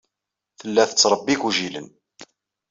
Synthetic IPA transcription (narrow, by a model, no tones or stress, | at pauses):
θəlːæθət͡sːɾˤəbːikuʒilə̰n